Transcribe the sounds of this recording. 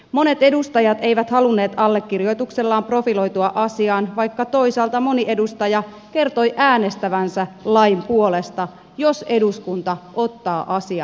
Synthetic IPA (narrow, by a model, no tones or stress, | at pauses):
mo̞ne̞t̪e̞dust̪ɑjɑt̪e̞ijʋæt̪hɑlunːe̞ːt̪ɑlːe̞kːirjo̞jt̪ukse̞lːɑːmpro̞filo̞jt̪uɑʔɑsiɑːnʋɑjkːɑt̪o̞isɑːlt̪ɑmo̞niʔe̞dust̪ɑjɑ | ke̞rt̪o̞jʔæːne̞st̪æʋænsælɑijmpuo̞le̞st̪ɑ | jo̞se̞duskunt̪ɑʔo̞t̪ːɑːʔɑsiɑ̰